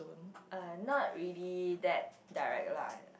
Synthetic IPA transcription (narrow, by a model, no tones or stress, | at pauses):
ũnʔanɔt̚ɹilidɛt̚ | daɪɹɛ̰k̚tlã̰ɪ